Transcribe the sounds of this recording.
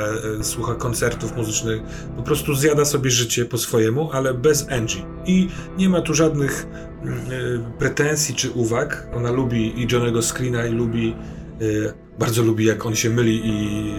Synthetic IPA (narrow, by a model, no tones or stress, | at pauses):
swuxakɔnt̪sɛɾt̪ufmuzɘt͡ʂnɘx | pɔpɾɔst̪uzjad̪asɔbʲjɛʐɘt͡ɕɛpɔsfɔjɛmuʔalɛbɛzɛnʐi | iɲɛmat̪uʐad̪nɘx | pɾɛt̪ɛnsʲjit͡ʂɘʔuvakɔnalubʲiʔid͡ʒɔnɛɡɔskɾʲinailubʲi | baɾd̪zɔlubʲijakɔnɕɛmɘlʲii